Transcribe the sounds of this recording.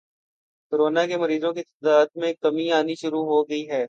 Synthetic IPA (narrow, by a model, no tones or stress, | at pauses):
kʊɾoːnakemɐɾiːzõkit̪ɪd̪aːd̪mẽkːɐmiaːniʃʊɾuɦoɡɐiɦɛː